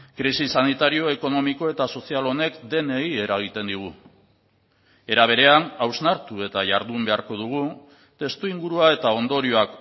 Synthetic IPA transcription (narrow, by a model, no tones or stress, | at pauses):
kɾisisanit̪aɾio̞e̞ko̞no̞miko̞e̞t̪aso̞sialo̞ne̞kd̪e̞ne̞ɣie̞ɾaɣ̞it̪e̞nd̪iɣ̞u | e̞ɾaβ̞e̞ɾe̞anawznaɾt̪ue̞t̪aʝaɾðumbe̞aɾko̞ðuɣ̞u | t̪e̞st̪uiŋɡuɾuae̞t̪ao̞nd̪o̞ɾioak